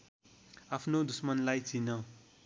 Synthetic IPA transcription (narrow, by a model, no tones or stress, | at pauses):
apʰnod̪usmʌnlajt͡sʰinʌ